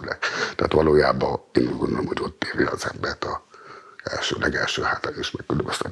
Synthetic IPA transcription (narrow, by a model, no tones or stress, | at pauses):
lɛkt̪ɛaːt̪ʋɔloːjaːbɔeːnuɟɡond̪olomhoɟot̪ːeːɾiɔzɛmbɛt̪ɔ | ɛ̰lʃø̰ːlʔɛɡɛlʃøːhaːt̪aesmɛkːøløbɛst̪ɛ